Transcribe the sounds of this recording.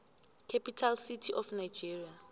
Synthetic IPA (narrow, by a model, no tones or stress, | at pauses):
kʰɛpʰʼitʰalsitʰiʔɔfnajd͡ʒiria